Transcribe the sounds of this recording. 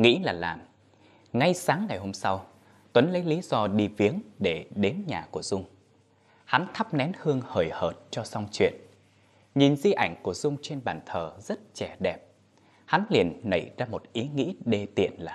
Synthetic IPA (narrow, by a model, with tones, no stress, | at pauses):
ŋḭ˧˥laː˨˩la̰ː˨˩m | ŋa˧jsaː˨˦ŋːa˨˩jɦo˧msa˧w | t̪wə˨˦nlə˨˦jli˨˦z̥ɔ˧ɗi˧vi˨˦əŋɗe˧˩ɗe˨˦nɲaː˨˩ku˧˩əz̥ʊ˧ŋ͡m | ha˨˦nt̪ʰa˦˥p̚nɛ˨˦nhɨ˧əŋhəː˧˩jhəː˨˩t̚t͡ɕɔ˧sa˧wŋ͡mt͡ɕwḭ˧˨ən | ɲi˨˩nzi˧ʔa˧˩jŋ̟ku˧˩əzʊ˧ŋ͡mt͡ɕe˧nɓaː˧˩nt̪ʰəː˨˩zə˦˥t̚t͡ɕɛ˧˩ɗɛ˨˩p̚ | ha˨˦nli˨˩ənːə̰˧˩jzaː˧mo˨˩t̚ʔi˨˦ŋḭ˧˥ɗe˧t̪ḭ˧˨ənlaː˨˩